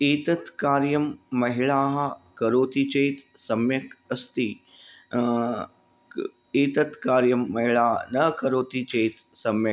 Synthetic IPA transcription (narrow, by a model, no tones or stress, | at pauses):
iːt̪ɐt̪kaːɾjɐmːɐɦɪɭaːɦkɐɾoːt̪it͡ʃeːt̪sɐmjɐkɐst̪i | eːt̪ɐt̪kaːɾjɐmːɐɦiɭaːɦnɐkɐɾoːt̪it͡ʃeːt̪ | sɐmjɐ